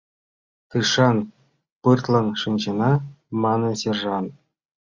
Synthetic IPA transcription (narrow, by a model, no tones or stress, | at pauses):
kɯʂɑn | pɯrt̪lˠɤ̆nʂɯnʲʑɤ̆nɑ | mɑnɤ̆sʲerʐɑn